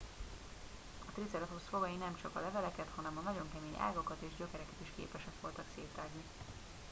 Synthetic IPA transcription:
ɒt̪rit̪sɛɾt̪osloɡɒjinɛmt͡ʃɒkɒlɛvɛlɛkɛt̪hɒnɛmɒnɒɟo̞ŋkɛmeːɲʔa̰ːɡokɒt̪eːʒɟø̞kɛɾɛkɛt̪iʃkḛːpɛʃɛkʋo̞lt̪ɒkseːt̪aːɡni

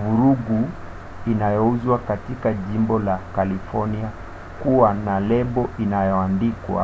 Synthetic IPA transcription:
vuɾuɡu | inajɔuzwakatikaʄimbɔlakalifɔnia | kuwanalɛmbɔʔinajɔandikwa̰

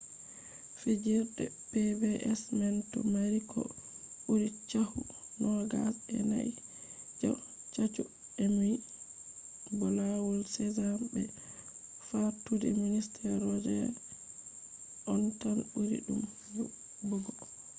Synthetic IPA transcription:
fid͡ʒiɾɗɛ̰ | pɛbɛʔɛsmɛntɔmaɾikʰɔ̰ | ɓuɾit͡ʃahu | nɔɡasɛ̰naḭd͡ʒɔ | t͡ʃat͡ʃu | ɛmij | bɔlawulsɛzambɛ | fatudɛ̰ministʰɛɾɔd͡ʒɛ | ʔɔntanɓuɾḭɗum | u | bɔɡɔ

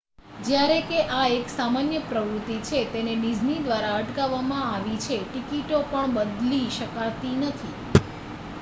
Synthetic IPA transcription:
d͡ʒjaɾekeʔaeksamanjəpɾəʋɾut̪ːit͡ʃʰet̪eneɖid͡ʒnid̪ʋaɾaəʈkaʋːamãaʋit͡ʃʰeʈikiʈopəɳbəd̪liʃəkat̪inət̪ʰi

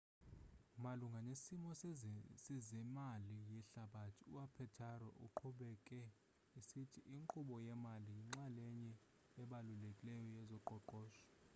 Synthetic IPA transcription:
maluŋɡʱanesimɔsizɛmalijɛɬaɓatʰiuapʰɛtʰarɔ̰ʔṵǃʰuɓɛkʼɛ | isitʰiʔiŋǃuɓɔjɛmalijiŋ͡ǁalɛɲɛ | ɛɓalulekʼilɛjɔjɛzɔǃɔǃɔːʃɔ̥

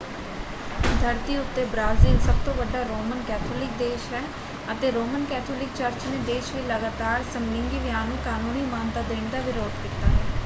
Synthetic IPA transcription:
d̪ʱəɾt̪iːʊt̪ːeːbɾaːzɪːlsəb̚t̪õːʋəɖːaːɾoːmənkɛːt̪ʰoːlɪk̚d̪eːʃɦɛː | ət̪eːɾoːmənkɛːt̪ʰoːlɪk̚t͡ʃəɾt͡ʃnẽːd̪eːʃʋiləɡaːt̪aːɾsəmlɪ̃ŋɡiːʋɪjaːnũːkaːnũːniːmaːnt̪aːd̪eːɳd̪aːʋɪɾoːd̪kɪt̪aː

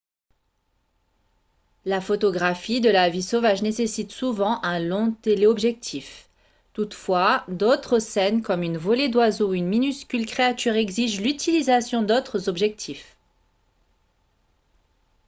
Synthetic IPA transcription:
lafot̪ɔɡʁafid̪əlavisovaʒnesesit̪suvɑ̃ʔɛ̃lɔ̃t̪eleɔbʒɛk̚t̪ʰif | t̪ut̪fwad̪ot̪χəsɛnkɔmynvɔled̪wazoynminyskʲylkχeat̪ʰyʁɛɡziʒlyt̪ʰilizasjɔ̃d̪ot̪χəzɔbʒɛk̚t̪ʰif

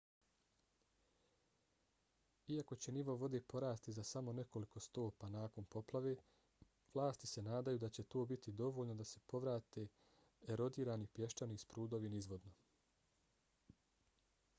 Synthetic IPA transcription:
iako̞t͡ɕe̞niʋo̞ʋo̞d̪epo̞ɾaːst̪izasamo̞ne̞ko̞liko̞st̪o̞ːpanaːko̞npo̞plˠaʋe̞ː | ʋlˠaːst̪i̥se̞naːd̪ajuːd̪at͡ɕe̞t̪oːbit̪id̪o̞ʋo̞ːʎnod̪ase̞po̞ʋɾaːt̪e̞ː | ɾo̞d̪iːɾaːnipje̞ʃtanispɾuːd̪o̞ʋinizʋo̞d̪no̞

